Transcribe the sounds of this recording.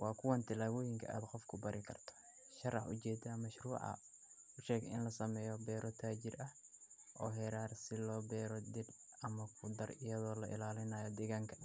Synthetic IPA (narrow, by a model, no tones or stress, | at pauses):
wɑːkʰʊwɐnt̪ʰɪlaːwɔːjɪŋkʰɐ̰ʔa̰ːd̪qɔfkʰʊbɐɾʔɪkʰɐ̰rt̪ʰɔ̥ | ʃɐrɑħʊ̰t͡ʃɛːd̪ɐmɐʃruːʕɑ̰ | ʊʃɛːɡɪ̰nlɐsɐmɛːjɔbɛːɾʔɔt̪ʰaːt͡ʃɪrɐh | ʔɔːɦɛːɾaːrsɪlɔːbɛːɾɔd̪ɪl | ɐmɐkʰʊd̪ɐrɪjɐðɔːlɐ̰ʔɪ̰laːlɪnɐjɔd̪ɛɣaːŋkʰɐ̥